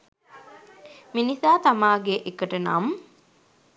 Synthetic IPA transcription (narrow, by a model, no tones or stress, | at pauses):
minisaːt̪amaːɡeʔekəʈəna̰m